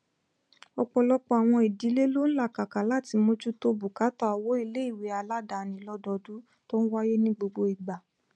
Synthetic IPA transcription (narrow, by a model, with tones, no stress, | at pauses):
ɔ˧k͡pɔ˧lɔ˦k͡pɔ˧a˨w̃ɔ̃˧i˨di˨˦le˦lo˦ñ̩˦la˦˨ka˨ka˨˦la˦˨ti˧mo˧d͡ʒu˦to˧bu˨ka˨˦tɔ˦a˨wo˨˦i˦˧le˦i˦˨we˨˦a˧la˦da˨nĩ˨˦lɔ˧dɔ˧du˨˦ | to˦ñ̩˦wa˦je˦nĩ˦ɡ͡bo˧ɡ͡bo˧i˨ɡ͡ba˨